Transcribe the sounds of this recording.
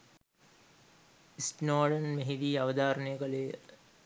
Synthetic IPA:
isʈnaːɖənmeɦid̪iːaʋəd̪aːɾənəjəkɐlej

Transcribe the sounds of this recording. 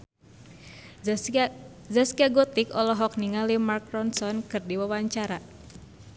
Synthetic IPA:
zaskiaɡɔt̪ɪkɔlɔɦɔk̚niŋalimarkɾɔnsɔnkɨrdiwawaɲt͡ʃaɾa

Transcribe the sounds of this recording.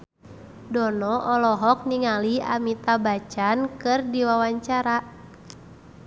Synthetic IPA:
dɔnɔʔɔlɔɦɔk̚niŋalia̰mit̪abat͡ʃankɨrdiwawaɲt͡ʃaɾa

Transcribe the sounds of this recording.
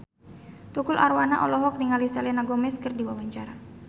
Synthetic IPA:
t̪ukʊlʔarwana̰ʔɔlɔɦɔk̚niŋalisalɛnaɡɔmɛskɨrdiwawaɲt͡ʃaɾa

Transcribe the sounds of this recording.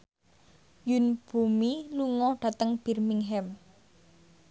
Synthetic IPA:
junb̥ṳmiluŋɔɖ̥ä̤t̪əŋb̥i̤rmiŋɦɛm

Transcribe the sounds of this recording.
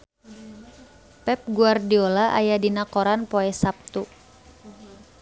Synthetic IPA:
pɛp̚ɡuardiolaʔa̰jadinakɔɾanpɔɛsap̚t̪u

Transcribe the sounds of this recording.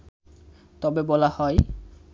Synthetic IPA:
t̪ɔbebɔlahɔj

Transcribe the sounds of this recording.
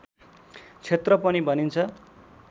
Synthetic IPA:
t͡sʰet̪rʌpʌnibʱʌnint͡sʰʌ

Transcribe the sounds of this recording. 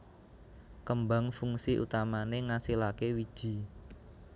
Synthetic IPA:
kəmbaŋfuŋsiʔṵt̪amaneŋasilakewi̥ʒ̥i̤

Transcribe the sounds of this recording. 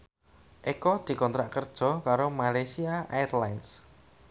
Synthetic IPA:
ʔekɔd̪̥i̤kɔnt̪ɾaʔkərd̥ʒ̥ɔ̤kaɾomalajsiaʔa̰jɛrlajns

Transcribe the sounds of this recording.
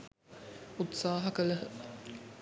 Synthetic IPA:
ut̪saːɦɐkɐlɐ

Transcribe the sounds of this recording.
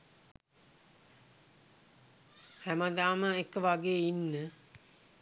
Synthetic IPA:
hæməd̪aːməekəʋaɡeːinːə

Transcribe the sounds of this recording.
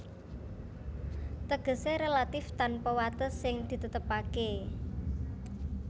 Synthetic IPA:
t̪əɡ̥ə̤seɾelat̪ɪft̪anpɔwat̪əsɪŋd̪̥i̤t̪ət̪əpake

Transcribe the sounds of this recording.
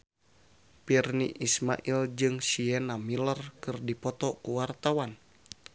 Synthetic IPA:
pirnḭʔisma̰ʔild͡ʒɨŋsiɛnamilərkɨrdipɔt̪ɔkuwart̪awan

